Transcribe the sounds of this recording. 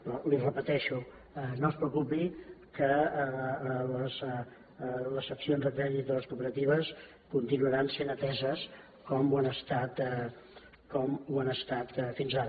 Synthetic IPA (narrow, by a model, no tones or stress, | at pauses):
pɾɔlirəpət̪ɛʃu | ɛnospɾəukupikə | ləz | ləsəksionzðək̪ɛɾizðələskupəɾət̪iβəs | kunt̪inuəɾansenət̪ɛzəs | kɔmuanəst̪at̪ɛ | kɔmuanəst̪at̪finzaɾə